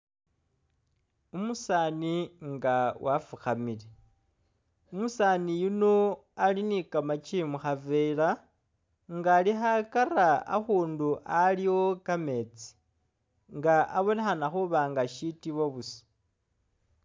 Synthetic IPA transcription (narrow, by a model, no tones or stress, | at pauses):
umusaniŋɡawʔafuxamile | umusaːnijuno̞alinikamat͡ʃimuxavela | ŋɡaːlixakaraa̰xuːnduʔaliwo̞kame̞t͡si̥ | ŋɡaʔaβo̞nexanaxuβaːŋɡaʃitiβoβusi̥